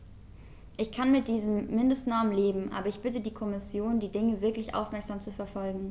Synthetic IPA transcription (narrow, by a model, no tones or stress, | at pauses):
ʔɪçkʰanmɪt̚d̥iːzəmːɪndəstnɔɐmleːbm̩ʔa̰ːbɐɪçb̥ɪtədiːkʰɔmɪsjoːndiːdɪŋəvɪɐklɪçʔa̰ʊfmɛɐkz̥aːmt͡sufɛɐfɔlɡŋ̩